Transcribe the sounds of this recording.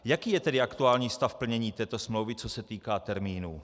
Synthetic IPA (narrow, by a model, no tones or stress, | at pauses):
jakiːjɛt̪ɛdɪakt̪uaːlɲiːst̪afpl̩ɲɛɲiːt̪ɛːt̪o̞smlowvɪt͡sosɛt̪iːkaːt̪ɛɾmiːnuː